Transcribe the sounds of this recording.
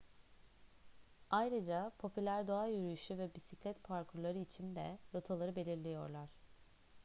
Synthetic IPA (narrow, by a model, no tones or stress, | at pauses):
ajɾɯd͡ʒapʰo̞pʰylʲæɾd̪o̞ajyɾyjyʃyvɛbisiclʲɛt̪pʰaɾkʰuɾlˠaɾɯit͡ʃʰind̪ɛ̰ɾot̪ʰalˠaɾɯbe̞lʲiɾlʲejo̞̰ɾlˠaɾ̝̥